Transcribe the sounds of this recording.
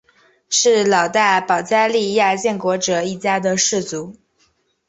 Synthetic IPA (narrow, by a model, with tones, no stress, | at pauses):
ʂɻ̩˥˩lɑ˨˩ʊt̪a˥˩pɑ˨˩ʊt͡sa˥ɪli˥˧ja˥˧t͡ɕjɛ˥˩nkwɔ˧˥ʈ͡ʂɤ˨˧˩i˥˩t͡ɕja˥d̪ə˨ʂɻ̩˥˩t͡su˧˥